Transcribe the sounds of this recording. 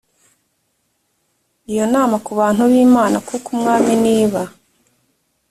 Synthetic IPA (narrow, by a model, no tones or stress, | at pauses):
ijo̞naːmakuβaːn̥huβiːmaːnakukumŋaːminiːβa